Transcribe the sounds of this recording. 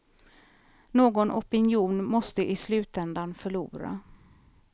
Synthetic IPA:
noːɡɔnʔɔpɪnɪuːnmɔst̪əʔɪslʉ̟ːt̪ɛnd̪anfœɭuːɾa̰

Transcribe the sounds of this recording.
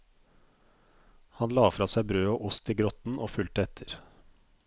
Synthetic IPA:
hɑnlɑːfɾɑːsæɪbɾøːoːʔʊst̪iːɡɾɔt̪n̩ʔoːfʉlt̪əɛt̪ʰəɾ

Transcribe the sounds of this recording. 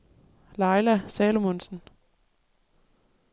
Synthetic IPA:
lɑ̈ɪlæsɛːlomonsən̩

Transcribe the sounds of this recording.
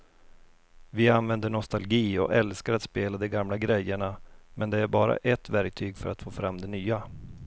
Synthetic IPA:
vɪanvɛnd̪əɳɔst̪alɡiːɔ̰kɛlskaɾat̪speːlad̪ɛɡamlaɡɾɛjːəɳamʔɛnd̪ɛæɾbɑːɾa̰ʔɛt̪væɾk̚t̪ʰyːɡfœɾat̪foːfɾamd̪ɛnyːa

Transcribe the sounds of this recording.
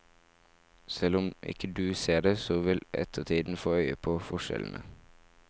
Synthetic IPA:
sɛlʊmʔɪ̰kəd̪ʉːseːɖeːsoːʋɪlɛ̰t̪ʰət̪ʰiːd̪n̩foːœʏəpʰoːfɔʃɛ̰ln̩ʔə

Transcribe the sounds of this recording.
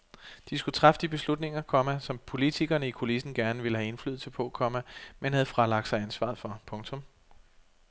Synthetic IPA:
d̥isɡ̥ut͡sʰʁɑfd̥ib̥e̝slud̥ne̝ŋɐkʰɒ̽mæsɒ̽mpʰo̝lit͡sʰiɡ̥ɐnəikʰo̝lisn̩ɡ̥æɐnəʋe̝ləhæe̝nfly̰ð̩ˠsəpʰɔ̽ækʰɒ̽mæmenhæð̞̩ˠfʁɑ̈lɑ̈ɡ̥̚sɑ̈ɪænsʋɑ̰̈ð̩ˠfɒ̽pʰɔ̽ŋt͡sʰɔ̽m

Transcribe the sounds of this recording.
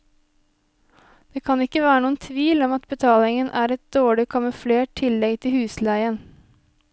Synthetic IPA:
d̪̥eːkʰɑnɪkːəʋæːɾənuːənt̪ʰʋiːlɔmɑt̪bət̪ʰɑːlɪŋənʔæːɾɛt̪̚d̪oːɭɪkʰɑməfleːʈ̚t̪ʰɪlːɛɡt̪ʰɪhʉːslæɪən

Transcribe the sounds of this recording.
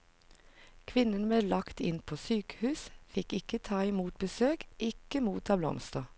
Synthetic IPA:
kʰʋɪnənbeːlɑkt̪ɪnpʰoːsyːkə̥hʉːsfɪkɪkət̪ʰɑːɪmuːt̪̚bəsøːkʔɪkəmuːt̪ɑːblɔ̰mst̪ɑː

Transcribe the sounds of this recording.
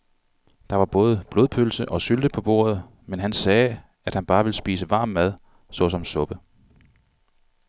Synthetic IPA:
d̥ɑ̈ʋɑ̈b̥ɔ̽ːð̞ˠəb̥lo̝ðˠpʰøl̩səʔɒ̽syld̥əpʰɒ̽b̥o̝̰ːɐð̞̩ˠ | menɦænsɛː | æd̥hænb̥ɑ̈ːʋe̝lsb̥iːsəʋɑ̈ːmːæð̞ˠ | sɒ̽sɒ̽msɔ̽b̥ə

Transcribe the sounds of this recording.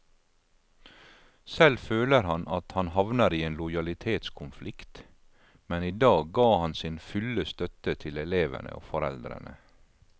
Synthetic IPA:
sɛlføːləɾhɑnʔɑt̪hɑnhɑʋnəɾiːeːnlʊjɑlɪt̪ʰeːt̪skʰʊnflɪkt̪ | mɛniːd̪ɑːɡːɑːhɑnsɪnfʉləst̪œt̪ət̪ʰɪlɛleːʋə̰nə̰o̰ːfɔɾɛld̪ɾə̰nə

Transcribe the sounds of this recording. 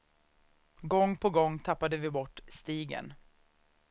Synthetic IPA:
ɡɔŋːpʰɔɡɔŋːt̪ʰapːad̪əvɪbɔʈːst̪iːɡə̰n

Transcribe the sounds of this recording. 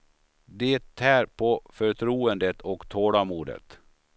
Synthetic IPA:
d̪ɛt̪ʰːæːɾpʰɔfœɾʈ̪ʰɾuːənd̪ət̪ʰɔkt̪ʰoːɽamuːɖ̪ə̰t̪

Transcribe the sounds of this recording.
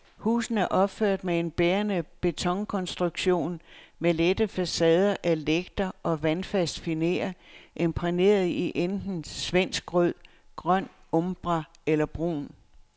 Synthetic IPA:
hṵːsn̩æɐʔɒ̽b̥føɐ̰d̥mee̝nb̥eːɐnəb̥e̝t͡sʰɒ̽ŋkʰɒ̽nsd̥ʁuɡ̥ɕo̝̰ːnmeled̥əfæsɛːð̞ˠɐʔæleɡ̥̚d̥ɐʔɒ̽ʋænfæsd̥fine̝̰ɐʔe̝mpʰʁine̝̰ːɐð̞̩ˠiʔend̥n̩sʋen̰sɡ̥ʁœð̰ˠ | ɡ̥ʁɶn̰ɔmb̥ʁɑ | elɐb̥ʁṵːn

